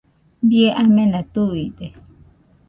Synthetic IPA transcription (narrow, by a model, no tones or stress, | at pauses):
bieʔamẽnat̪uit̪e